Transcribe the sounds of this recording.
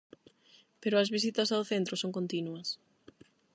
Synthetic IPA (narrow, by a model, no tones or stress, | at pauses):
peɾʊɐzβisit̪ɐsawθent̪ɾʊsoŋkont̪inuɐs